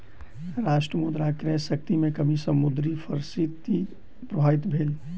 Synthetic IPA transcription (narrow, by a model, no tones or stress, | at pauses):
ɾaːsʈɾəmud̪ɾakɾɛsək̚t̪imẽkəmisəmud̪ɾifʰəɾsit̪i | pɾəbʱaːit̪bʱeːl